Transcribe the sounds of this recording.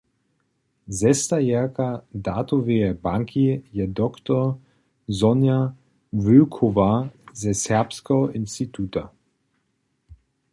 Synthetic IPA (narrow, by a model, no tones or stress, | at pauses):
zɛst̪ajɛʁkadat̪oveɛbaŋkʰijɛd̪ɔkt̪ɔ | zɔnja | vøkʰovazɛsɛʁpskɛɦɔʔɪnst̪it̪ʰuːta